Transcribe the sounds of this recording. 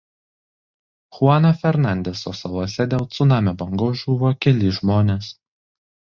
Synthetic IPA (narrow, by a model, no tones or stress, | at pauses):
xʊɑːnɐfʲɛɾnɑˑnʲd̪ʲɛsosɐlˠoɔsʲɛd̪ʲeːlˠt̪sʊnɑːmʲɛbɐŋɡoːʒuːʋoːkʲɛlʲɪʒmoːnʲeːs